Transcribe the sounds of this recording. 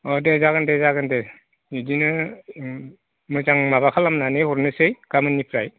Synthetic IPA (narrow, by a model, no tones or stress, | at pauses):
ɔdezaɡɯndezaɡɯnde | idinɯ | mɯzaŋmabakʰalamnanɯjhɔɾnɯsɯjɡ̥amɯnipʰɾaj